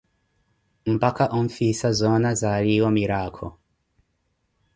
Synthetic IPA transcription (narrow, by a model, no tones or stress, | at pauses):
m̩pakaʔɔɱ̩fisazɔnazaɾiwɔmiɾakʰɔ̰